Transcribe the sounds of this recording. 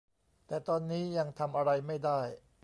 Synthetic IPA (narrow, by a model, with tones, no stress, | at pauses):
t̪ɛː˨˩t̪ɔː˧nːiː˦˥ja˧ŋt̪ʰa˧mʔa˧ɾa˧jma˥˩jdaː˥˩j